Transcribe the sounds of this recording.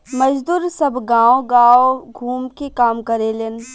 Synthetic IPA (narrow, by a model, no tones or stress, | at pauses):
mɐd͡ʒd̪uːɾsɐbɡãːõɡaːoɡʱuːmkekaːmkɐɾelen